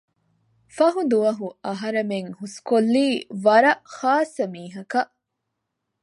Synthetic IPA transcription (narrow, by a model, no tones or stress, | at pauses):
fɐɦud̪uʋɐɦuɐɦɐɾɐmeŋhuskolːiːʋɐɾɐʔxaːsːɐmiːɦɐkɐʔ